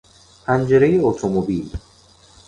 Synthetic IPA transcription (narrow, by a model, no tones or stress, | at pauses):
pʰænd͡ʒeɾejeot̪ʰomobil